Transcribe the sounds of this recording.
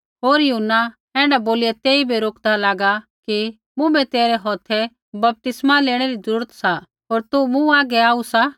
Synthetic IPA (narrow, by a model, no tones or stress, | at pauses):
ɦoːɾjʊɦʊnːa | ɛ̃ːɳɖaboːlɪjat̪eːibʱiɾoːkd̪alaːɡaki | mũbɛt̪eːɾɛɦɔːt̪ʰɛ | bɐp̚t̪ɪsmaleːɽ̃eɾid͡zəɾuːɾət̪sa | ɦoːɾt̪umũaːɡɛaːusa